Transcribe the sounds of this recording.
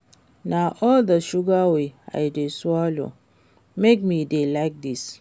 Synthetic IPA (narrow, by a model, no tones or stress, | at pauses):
naʔɔldəʃuɡawea̰ɪdeswɔlo̰ | mek̚midelaɪk̚dis